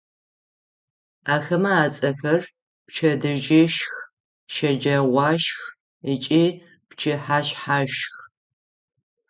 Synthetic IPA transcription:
aːxɐmɐaːt͡sʼɐxɐr | pt͡ʃʰɐdɨʒɪʃx | ʃɐd͡ʒɐʁʷɑːʃx | it͡ʃʼiː | pt͡ʃʰɪħaːɕħaːʃx

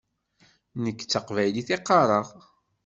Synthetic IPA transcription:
nəkːt͡sːəqvæjliθiqːɑɾˤɑʁ

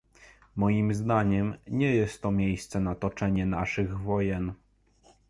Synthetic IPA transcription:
mɔjimzd̪aɲɛmɲɛjɛst̪ːɔmʲjejst̪sɛnat̪ɔt͡ʂɛɲɛnaʂɘɣvɔjɛn

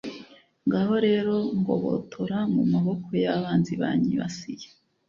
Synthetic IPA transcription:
ŋɡaho̞ɾe̞ːɾo̞ŋɡo̞̰βo̰tʰoɾaŋumaβo̞kʰo̞jaβaːnziβa̰ɲiβa̰sije

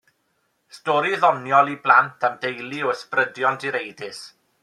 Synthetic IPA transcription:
stɔɾiðɔnjɔlˠiblˠantʰəmdejlˠiɔəsprədjɔntʰiɾejdɪs

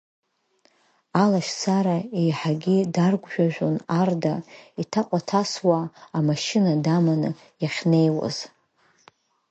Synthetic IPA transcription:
alaʃsaɾaejħaɡʲɪdarɡʷʒᶣaʒᶣʷonardaitʰaqʷʼatʰaswaːmaʃɪnadamanɨ | jaχʲne̞jwa̰z̥

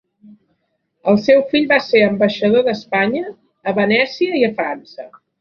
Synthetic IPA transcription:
əlˠsɛwfiʎβaseɾəmbəʃəðoðəspaɲəː | βənɛsiəiəfɾansə

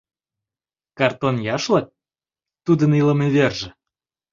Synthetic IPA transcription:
kɑrt̪onjɑʃlɑk̚ | t̪ud̪əniləmeβerʒə̆

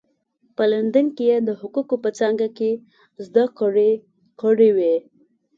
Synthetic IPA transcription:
pəland̪ankejed̪əhʊkukopət͡sɑŋɡake | zd̪akɽe | kəɽewe

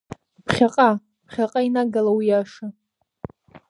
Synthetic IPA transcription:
pʰχʲaqʼa | pʰχʲaqʼainaɡalawijaʂa

